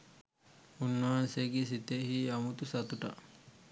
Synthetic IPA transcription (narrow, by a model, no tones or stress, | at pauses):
unːaːnseɡisit̪ehiːɐmut̪usɐt̪uʈɐʔ